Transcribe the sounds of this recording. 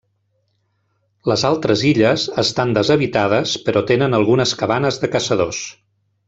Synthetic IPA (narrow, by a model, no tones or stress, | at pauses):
ləzalˠt̪ɾəziʎəzəst̪and̪əzəβit̪að̞əspəɾɔt̪enənəlˠɣunəskəβanəzðəkəsəðos